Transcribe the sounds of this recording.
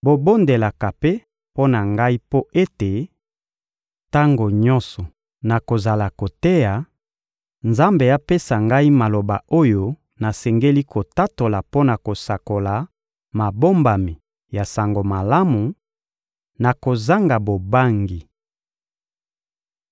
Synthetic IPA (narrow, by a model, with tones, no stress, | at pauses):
bo˨bo˦nde˨la˨ka˨pe˦ | po˦na˨ŋɡa˦i˦po˦ʔe˦te˨ | ta˦ŋɡo˨ɲɔ˦sɔ˨ | na˨ko˨za˨la˨ko˨te˦ja˨ | nza˦mbe˨a˦pe˦sa˨ŋɡa˦i˦ma˨lo˨ba˨o˦jo˦ | na˨sɛ˨ŋɡe˦li˦kʰo˨ta˦to˨la˨po˦na˨ko˨sa˨ko˨la˨ | ma˨bo˦mba˨mi˨ | ja˨sa˨ŋɡo˨ma˨la˦mu˨ | na˨ko˨za˦ŋɡa˨bo˨ba˦ŋɡi˨